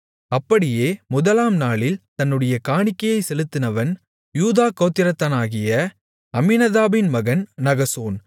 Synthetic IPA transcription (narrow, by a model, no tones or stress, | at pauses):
ɐpːɐɽɪjeːmʊðɐlaːmnaːɭɪlt̪ɐnːɯɽɐjɐkaːɳɪkːɐjɐɪsɛlɯt̪ːɪnɐʋɐn | juːðaːkɐːt̪ːɪɾɐt̪ːɐnaːɣɪjɐ | ɐmɪnɐðaːbɪnmɐɣɐnnɐɣɐsoːn